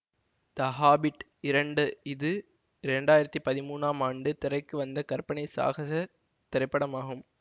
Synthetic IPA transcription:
t̪ɐɦaːbɪʈ | ɪɾɐɳɖɯɪðɯ | ɪɾɐɳɖaːjɪɾɐt̪ːipɐðɪmuːnaːmaːɳɖɯt̪ɪɾɐɪkːɯʋɐnd̪ɐkɐɾpɐɳɐɪsa̰ːɣɐɐ | t̪ɪɾɐɪpːɐɽɐmaːɣɯm

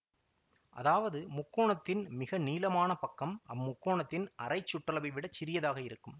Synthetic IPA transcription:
ʔɐ̰ðaːʋɐðɯmʊkːoːɳɐt̪ːɪnmɪɣɐniːlɐmaːnɐpɐkːɐmʔɐmmːʊkːoːɳɐt̪ːɪnʔɐrɐɪt͡ʃːʊʈːɐlɐbɪʋɪɽɐt͡ʃːɪɾɪjɐðaːɣɐɪɾɯkːɯm

